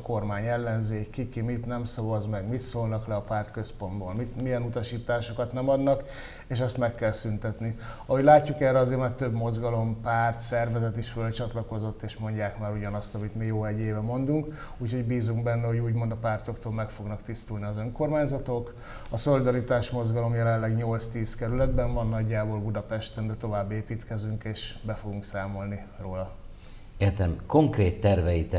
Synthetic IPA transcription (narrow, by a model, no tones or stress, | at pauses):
ko̞rmaːɲɛlːɛnzeːkːikimit̪nɛmsɒvɒzmɛɡmit̪soːlnɒklɛɒpaːrt̪kø̞spo̞nd̪bolmit̪mijɛnut̪ɒʃiːt̪aːʃo̞kɒt̪nɛmɒd̪nɒk | eːʃ̬ɛst̪mɛkːɛlsynt̪ɛt̪niɒhoɟlaːcːukɛːrɛɒzeːrmaːrt̪øbmo̞zɡɒlo̞mpaːrt̪sɛrvɛzɛt̪iʃfølt͡ʃɒt̪lɒko̞zo̞t̪ːeːʃmo̞ɲɟaːkmaːɾuɟɒnɒst̪ɒmit̪mijoːɛɟːeːvɛmo̞nd̪uŋk | uːcho̞ɟbiːzuŋɡbɛnːɛɦo̞ɟuːɟmo̞nd̪ɒpaːrt̪o̞kt̪oːlmɛkfo̞ɡnɒkt̪ist̪uːlniɒzø̞ŋko̞rmaːɲzɒt̪o̞k | ɒso̞lid̪ɒɾit̪aːʃmo̞zɡɒlo̞mjɛlɛnlːɛɡɲo̞lt̪st̪iːskɛɾylɛd̪bɛɱvɒnːɒɟːaːboːlbud̪ɒpɛʃt̪ɛnd̪ɛt̪o̞vaːbːeːpiːt̪kɛzyŋkeːʃbɛfo̞ɡuŋksaːmo̞lniroːlɒ | eːrt̪ɛmko̞ŋkreːt̪ːɛrvɛjit̪ɛ